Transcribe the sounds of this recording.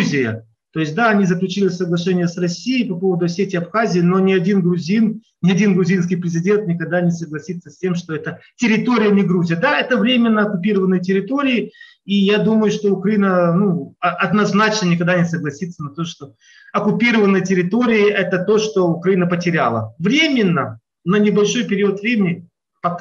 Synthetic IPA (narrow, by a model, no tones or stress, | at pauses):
zʲɪjə̰ | t̪o̞jɪsʲt̚ʲd̪aɐnʲizəklʲʉt͡ɕilʲɪfʲsəɡlˠɐʂɛnʲɪjəsrɐsʲijɪjpɐpo̞vəd̪ʊɐsʲetʲɪɐpxazʲɪːno̞nʲɪɐdʲinɡɾʊzʲin | nʲɪɐdʲinɡɾʊzʲins̬kʲɪjpɾʲɪzʲɪdʲe̞nt̪nʲɪkɐɡ̚d̪anʲɪsəɡlˠɐsʲit̪sːəsʲtʲe̞mʂt̪oɛt̪ətʲɪɾʲɪt̪o̞ɾʲɪjənʲɪɡɾuzʲɪjəd̪aɛt̪əvɾʲemʲɪnːəɐkʊpʲiɾəvənːɨjtʲɪɾʲɪt̪o̞ɾʲɪɪ | ijad̪uməjʊʂt̪o̞ʊkɾɐinənuɐɐd̪nɐznat͡ɕnənʲɪkɐɡ̚d̪anʲɪsəɡlˠɐsʲit̪sːənɐt̪oʂt̪o̞ | ɐkʊpʲiɾəvənːɨjtʲɪɾʲɪt̪o̞ɾʲɪɪʔɛt̪ət̪o̞ʂt̪o̞ʊkɾɐinəpətʲɪɾʲalˠə̰vɾʲemʲɪnːə | nənʲɪbɐlʲʂojpʲɪɾʲiət̪vɾʲemʲɪnʲɪ | pɐk